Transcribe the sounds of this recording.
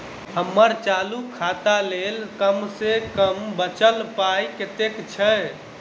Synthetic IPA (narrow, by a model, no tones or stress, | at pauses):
həmːəɾt͡ʃalukʰat̪alelkəmsekəmbət͡ʃəlpajket̪ekt͡ʃʰɛ